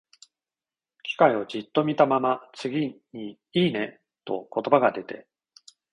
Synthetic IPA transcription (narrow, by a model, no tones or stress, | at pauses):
kʲi̥kaio̞d͡ʑit̪ːo̞mʲit̪amamat͡sɨɡʲiɲi | iːne̞ | t̪o̞̰ko̞t̪o̞baɡad̪e̞t̪e̞